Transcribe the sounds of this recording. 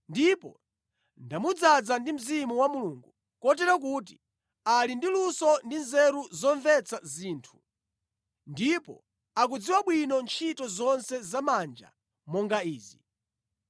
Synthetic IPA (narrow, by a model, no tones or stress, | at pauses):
ndipɔ̰ | ndamud͡zad͡zandim̩zimuwamuluːŋɡu | kɔtɛɾakuːt̬i̥ | alindilusɔndinzɛɾuzɔɱvɛt͡sʰaziːntʰu̥ | ndipɔ̰ | ak̬ud͡ziwaɓwinɔnt͡ʃʰitɔzɔnsɛzamand͡ʒa̰ | mɔŋɡaiːzi